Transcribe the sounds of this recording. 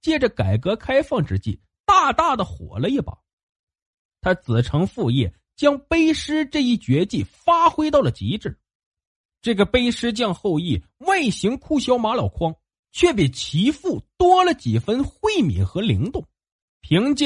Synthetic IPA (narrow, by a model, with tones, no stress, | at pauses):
t͡ɕjɛ˥˩ʈ͡ʂə˩ka˨˩ɪkɤ˧˥kʰa˥ɪfɑ˥˩ŋʈ͡ʂɻ̩˥t͡ɕḭ˥˩ | t̪a˥˧t̪a˥˩d̪ə˩xwɔ̰˨˩lə˦i˥˩pɑ̰˨˩˦ | t̪ʰa˥t͡sɹ̩˨˩ʈ͡ʂʰɤ˧˥ŋfu˥˧jɛ̰˥˩ | t͡ɕjɑ˥ŋpe˥ɪʂɻ̩˥ʈ͡ʂɤ˥˧i˥˩t͡ɕɥɛ˧˥t͡ɕi˥˩fa˥xwe˥ɪt̪ɑ˥˩ʊlə˩t͡ɕḭ˧˥ʈ͡ʂɻ̩˥˩˦ | ʈ͡ʂɤ˥˩ɡə˩pe˥ɪʂɻ̩˥t͡ɕjɑ˥˧ŋxo˥˧ʊi˥˩ | wa˥˩ɪɕi˧˥ŋkʰu˥˩ɕjɑ˥ʊma˧˥ljɑ˨˩ʊkʰwɑ˥ŋ | t͡ɕʰɥɛ˥˩p̬i˨˩t͡ɕʰi˧˥fu˥˩t̪wɔ˥lə˨t͡ɕi˨˩fə˥nxwe˥˩ɪmḭ˨˩nxɤ˧˥li˧˥ŋt̪ʊ˥˩ŋ | pʰi˧˥ŋt͡ɕ